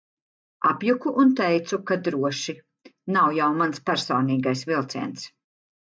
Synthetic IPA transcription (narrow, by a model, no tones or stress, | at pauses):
apjukuʔunt̪ɛjt̪sukad̪ɾuɔʃi | nawjawmanspæɾsɔːniːɡajsvilˠt̪sɛ̰ɛnt̪s